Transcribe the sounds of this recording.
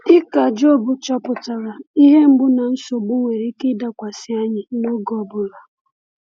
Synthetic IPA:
ɪ˦ka˨d͡ʒo˦˨bʊ˨t͡ʃɔ˦pʊ˨ta˨ɾa˨i˦ɦe˦m̩˦ɡ͡bʊ˦na˨n̩˦so˨ɡ͡bʊ˦ŋe˨ɾi˦kɪ˦da˦kʷa˨sɪ˦a˦ɲɪ˨no˦ɡɔ˨bʊ˦la˨

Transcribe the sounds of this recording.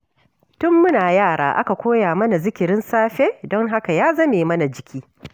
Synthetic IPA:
tʊ˦mːʊ˦naː˨jaː˦˨ɽa̰ː˨ʔa˦ka˨kʷoː˦jaː˨mɐ˦na˨zɪ˦kʲɪ˨ɾɪ˦nsaː˦ɸeː˦dɔ˦ŋɦa˦ka˨jaː˦zɐ˦meː˨mɐ˦na˨d͡ʒɪ˨kʲiː˦

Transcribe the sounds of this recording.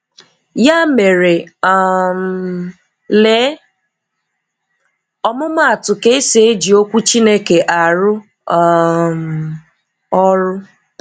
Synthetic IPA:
ja˦me˨ɾe˨ | m | le˨˦ | ɔ˦mʊ˦m˦a˨tʊ˨ke˦se˦e˦d͡ʒi˨o˦kʷu˦t͡ʃi˦ne˦ke˨ʔa˨ɾʊ˦ | m˨ | ɔ˦ɾʊ˦

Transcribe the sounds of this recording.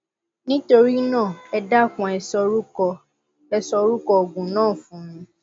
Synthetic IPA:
nĩ˦to˧ɾi˦nãː˦˨ɛ˧da˦˨fũ˨ɛ˧sɔ˧ɾu˦ɔ˧ | ɛ˧sɔ˧ɾu˦kɔ˧o˨ɡũ˨nãː˦˨fũ˨˦nũ˧

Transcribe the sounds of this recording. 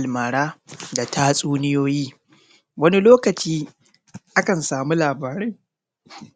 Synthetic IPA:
a˨lmaː˨ɽaː˦da˨taː˦sʼuː˦nɪ˦joː˦jiː˦ | wɐ˦ni˦loː˦kɐ˨t͡ʃiː˦ | ʔa˦kɐ˨nsaː˨mu˦laː˨baː˨ɾɛ˦j

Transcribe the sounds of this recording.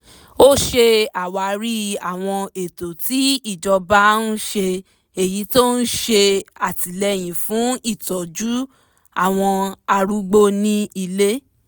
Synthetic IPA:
o˦ʃe˧a˨wa˨˧˨ɾi˦a˨w̃ɔ̃˧e˨to˨ti˦i˦˨d͡ʒɔ˧ba˦n̩˦ʃe˧ | e˨ji˨˦to˦n̩˦ʃe˧a˨ti˨lɛ˧˦j̃ĩ˨fũ˨˦i˦˨tɔ˨d͡ʒu˦ | a˦˨w̃ɔ̃˧a˧ɾu˦ɡ͡bo˦nĩ˦i˧le˦

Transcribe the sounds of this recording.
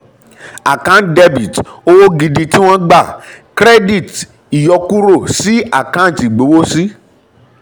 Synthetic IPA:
a˨kã˦de˦bi˨to˦wo˦ɡi˧di˧ti˦w̃ɔ̃˦ɡ͡ba˦˨kɾɛ˦di˦˨t | i˨jɔ˧ku˦ɾo˦˨si˦a˦˨kã˦˨ti˨ɡ͡be˨˦wo˦si˦

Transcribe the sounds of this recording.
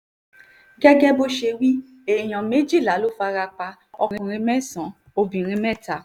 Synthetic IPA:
ɡɛ˦ɡɛ˦bo˦ʃe˧wi˦ | e˨j̃ã˨me˨˦d͡ʒi˦˨la˨˦lo˦fa˧ɾa˧k͡pa˧ | ɔ˧˨ɾ̃ĩ˧ɾ̃ĩ˧mɛ˦sã˨˦ | o˧bĩ˨ɾ̃ĩ˧mɛ̃˦˨ta˨

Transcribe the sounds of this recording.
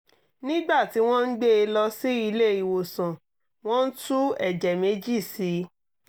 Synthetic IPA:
nĩ˦ɡ͡ba˦˨ti˨˦w̃ɔ̃˦n̩˦ɡ͡be˦e˧lɔ˧si˦i˧le˦˨i˨wo˨sã˨ | w̃ɔ̃˦n̩˦tu˦ɛ˦˨d͡ʒɛ˨me˨˦d͡ʒi˦˨si˨˦

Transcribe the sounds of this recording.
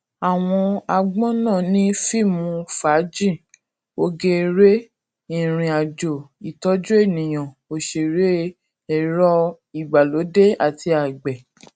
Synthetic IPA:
a˨w̃ɔ̃˧a˧ɡ͡bɔ̃˦nãː˦˨nĩ˨˦fi˦˨mũ˧˦fa˨˦d͡ʒĩ˦˨ | o˧ɡe˧ɾe˦ | ĩ˦˨ɾ̃ĩ˨a˨d͡ʒo˨i˨tɔ˦d͡ʒo˦e˦˨nĩ˨j̃ã˨ | o˧ʃe˨ɾe˦ | ɛ˨ɾɔ˦ | i˨ɡ͡ba˨lo˨˦de˦a˨ti˧a˨ɡ͡bɛ˨

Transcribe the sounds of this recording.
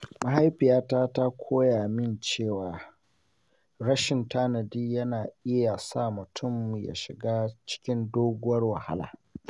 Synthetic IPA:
ma˨ɦa˦jɸɪ˨jaː˦taː˦ta˦kʷʰoː˦jaː˨mɪ˦nt͡ʃeː˦˨waː˨ | ɾɐ˦ʃɪ˨ntaː˦na˨diː˦jɐ˦naː˨ʔɪ˦ja˨sa˦˨mʊ˨tʰʊ˦˨mja̰˨ʃɪ˨ɡaː˦t͡ʃɪ̥˦kʲɪ˦ndoː˦ɡʷʊ˦wɐ˦rwa˨ha̰˦la̰ː˨

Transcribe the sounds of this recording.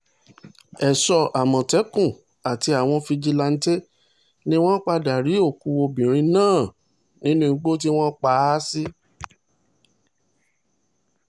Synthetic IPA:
ɛ˨sɔ˧ʔa˨mɔ̃˨tɛ˨˦kũ˦˨ | a˨ti˧a˨w̃ɔ̃˧fi˧d͡ʒi˧la˧n̩˦te˦ | nĩ˦w̃ɔ̃˦k͡pa˧da˨ɾi˨˦o˦˨ku˧˦wo˧bĩ˨ɾ̃ĩ˧nãː˦˨ | nĩ˨˦nũ˦˧˦ɡ͡bo˦t̬i˦w̃ɔ̃˦k͡pa˧˦si˦

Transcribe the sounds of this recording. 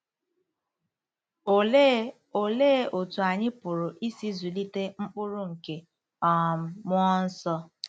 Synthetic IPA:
o˨le˦o˨tu˨a˨ɲɪ˦pʊ˨ɾʊ˨ʔi˦si˦zu˨li˦te˦ŋ͡m̩˦k͡pʊ˦ɾʊ˦ŋ̩˨ke˨ | ɔ˨˦mɔ˦n̩˦sɔ˦

